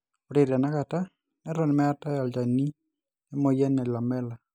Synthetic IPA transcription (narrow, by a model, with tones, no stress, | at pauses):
o˨ɾe˨ɾa˨naka˨ta˦ | nɛ˦ɾɔ˨nɪ˨mɛ˦ata˦ja˨ld͡ʒa˨ni˦ | e˦mo˨jɛ˦nɛ˨la˨mɛ˦la˨